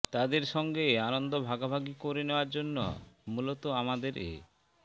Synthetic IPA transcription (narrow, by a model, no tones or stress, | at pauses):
t̪ad̪eɾʃɔŋɡeanond̪obʱaɡabʱaɡikoɾeneoaɾd͡ʑonːo̰mulot̪oamad̪eɾḛ